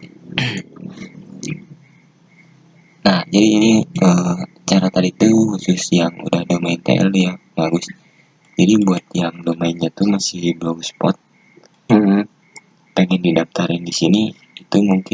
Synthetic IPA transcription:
nahd͡ʒadiːniə | t͡ʃaɾat̪adit̪uhusʊsjaŋṵdahdomaɪnt̪ḛɛ̰ljabaɡʊs | d͡ʒadibuat̪̚jaŋdomainɲat̪umasɪhbloɡuspɔt̪̚ | ə | peŋɛndidap̚t̪aɾɪndisini | it̪umuŋkɪ

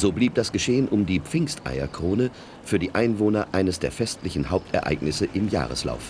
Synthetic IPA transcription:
z̥oːbliːp̚d̥asɡ̥əʃeːənʔʊmdiːp͡fɪŋstʔa̰ɪɐ̰kʁ̥oːnə | fyːɐdiːʔaɪnvoːnɐʔaɪnəsd̥eːɐfɛstlɪçn̩ɦaʊp̚tʰʔɛ̰ɐʔa̰ɪɡnɪsəʔɪmja̰ːʁ̞ə̰sla̰ʊf

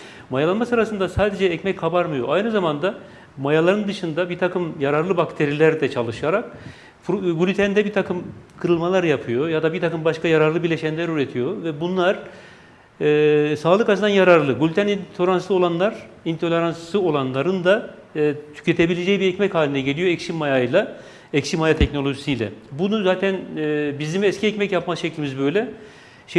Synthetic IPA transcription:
majalˠanmasɯɾasɯnd̪asaːd̪e̞d͡ʒɛːcmɛckʰːabaɾmɯjo̞̰ʔajnɯzamand̪a | majalˠaɾɯnd̪ɯʃɯnd̪abiɾt̪ʰakʰɯmjaɾaɾlˠɯbakt̪ʰe̞ɾilʲæɾd̪ɛt͡ʃʰalˠɯʃjaɾak | fɡulʲyt̪ʰænd̪ɛbit̪ʰakʰɯmkʰɯɾɯlˠmalˠaɾjapʰɯjojad̪abiɾt̪ʰakɯmbaʃkajaɾaɾlˠɯbiɾlʲeʃɛnlʲæɾyɾet̪ʰijo̞vɛbunlˠaɾ̥ | saːlˠɯkaɯnd̪anjaɾaɾlˠɯɡulʲyt̪ʰænint̪ʰoɾanslˠɯo̞lˠanlˠaɾ | int̪ʰo̞lʲeɾanslˠɯo̞lˠanlˠaɾɯnd̪a | t̪ʰy̥cʰet̪ʰe̞bilʲed͡ʒɛjbiɛcmɛchaːlʲinɛɟe̞lʲijoɛcʃimːajajlˠa | ɛcʃimajat̪ʰɛcno̞lʲˠo̞ʒisijlʲɛ̰bunuzaːt̪ʰɛnːbizd̪imiɛscʰiɛcmɛcjapmazʃeclʲimizbø̞jlʲɛ | ʃ

